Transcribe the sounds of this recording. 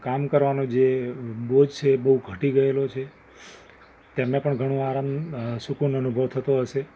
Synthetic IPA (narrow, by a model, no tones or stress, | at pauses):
kamkəɾʋanod͡ʒebod͡ʒt͡ʃʰeːbəɦuɡʱəʈiɡəelot͡ʃʰe | t̪emnepəɳɡʱəɽ̃õaɾamsukunənubʱəʋt̪ʰət̪oɦəʃe